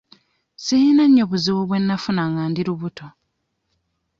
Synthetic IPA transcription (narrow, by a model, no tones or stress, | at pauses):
siinaɲːoβuziwoβwe̞nːafunaŋaːndiɾuβuto̞